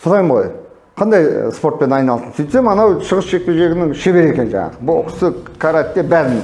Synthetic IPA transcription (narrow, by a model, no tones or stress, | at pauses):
sʰolɑjmʁo̰j | qʰɑnd̪ɑjspo̞ɾt̪̚pe̞nɑjnɑlˠsənsyjt̪semɑnɑwʃəʁəsʃe̞k̚pe̞wʒe̞ɡʲɪnɪŋʃe̞βe̞ɾe̞kʲe̞nʒɑ̰ɴɑ̰ʁəbʊl̰ˠqsəkʰaɾat̪ːe̞bæzɪn